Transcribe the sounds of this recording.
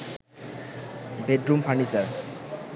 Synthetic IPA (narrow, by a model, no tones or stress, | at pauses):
beɖɾumpʰaɳisaɾ